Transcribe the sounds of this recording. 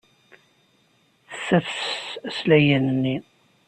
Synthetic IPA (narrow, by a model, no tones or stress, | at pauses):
θə̥sːæfsæslæjənənːi